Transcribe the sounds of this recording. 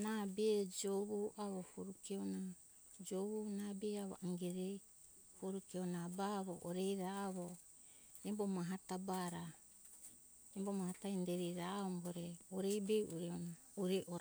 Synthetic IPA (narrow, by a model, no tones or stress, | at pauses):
nabeːd͡ʒoβuʔaβofuɾukeona | d͡ʒoβunabeaβo̰ʔaŋɡeɾej | foɾukeonabaβoʔoɾejɾaːβo | embomaɦatabaɾa | embomahataindeɾiɾaomboɾeoɾejbeuɾeona | uɾeʔo